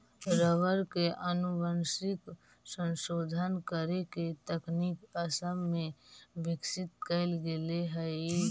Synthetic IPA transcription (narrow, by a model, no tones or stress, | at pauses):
ɾəʋəɾkeʔənubənsɪk | sə̃nsoːd̪ʱənkəɾeket̪əknikəsəmmẽbɪksɪt̪kəɪlɡeleɦə